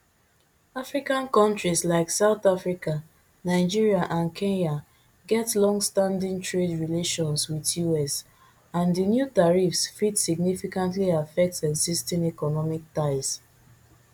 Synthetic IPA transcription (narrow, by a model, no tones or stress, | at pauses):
afɹikãnkɔ̃ntɹislaɪksaʊθafɹika | naɪd͡ʒiɹiaʔãnkʰẽnja | ɡɛtlɔ̃ŋɡstãndĩŋtʰɹedɹileʃɔ̃nswiðjuɛs | ãndənjutaɹifsfidsiɡ̚nifikãntliafɛk̚tsɛɡsistĩŋɛkɔnɔmik̚taɪs